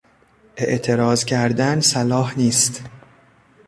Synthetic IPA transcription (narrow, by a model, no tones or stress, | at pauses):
ʔe̞̰ʔt̪ʰe̞ɾɒːzcʲʰæɾd̪ænsælɒːhniːst̪